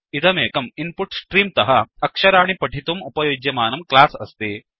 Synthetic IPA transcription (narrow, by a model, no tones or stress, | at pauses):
it̪ɐmeːkɐmimpuʈsʈɾiːmt̪ɐɦɐɐkʂɐɾaːɳipɐʈit̪umupɐjoːd͡ʒjɐmaːnɐmklaːsɐ̰st̪i